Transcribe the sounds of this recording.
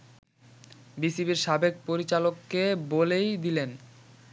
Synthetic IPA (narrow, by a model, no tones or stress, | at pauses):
bisibiɾʃabek̚poɾit͡ɕalokːebolejd̪ilen